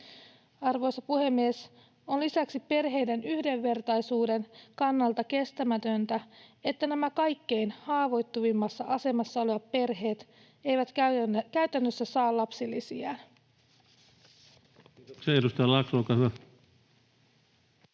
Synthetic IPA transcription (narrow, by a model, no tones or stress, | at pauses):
ɑrʋo̞jsɑpuhe̞mːies | onlisæksipe̞rɦe̞jde̞nyhde̞ʋːe̞rt̪ɑjsuːde̞nkɑnːɑlt̪ɑke̞st̪æmæt̪ø̞nt̪æe̞t̪ːænæmækɑjkːe̞jnhɑːʋo̞jt̪ːuʋimːɑsːɑʔɑse̞mɑsːɑo̞leʋɑt̪pe̞rɦe̞ːt̪ | e̞jʋæt̪kæyt̪ænːøsːæsɑːlːɑpsilːisiæn | seedust̪ɑjɑlɑkslokːɑhyʋæ